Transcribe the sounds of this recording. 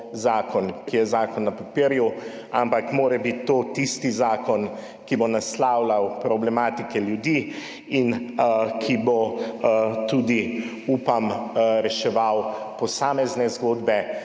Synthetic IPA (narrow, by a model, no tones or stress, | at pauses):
zaːkʰɔnkijɛzaːkɔnːɐpapiɾju | ampakmoːɾɛbit̪ːot̪ist̪izaːkɔn | kibonaslawlawpɾɔblɛmaːt̪ikɛljud̪i | inkʰibɔ | t̪ud̪i | uːpamɾɛʃɛʋaw | pɔsaːmɛznɛzɡoːd̪bɛ